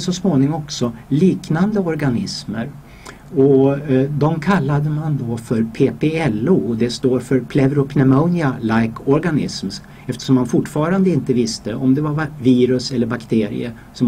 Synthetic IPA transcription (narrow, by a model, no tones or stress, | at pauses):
sɔsmoːnɪŋɔɔksɔliːknand̪əɔɾɡanɪsməɾ | ɔd̪ɔmkʰalːad̪əmand̪ɔfœɾpʰeːpʰeɛlːuːd̪ɛst̪oːɾfœɾpʰlɛvɾʊpʰnɛmɔnɪalajkʰɔɾɡanɪ̰sm | ɛft̪ə̥ʂɔmːanfʊʈːfɑːɾand̪əɪnt̪əvɪst̪əʔɔmd̪ɛvaɾvaviːɾɵsɛlːəɾbakt̪ʰeːɾɪ̰ə̰ | sɔm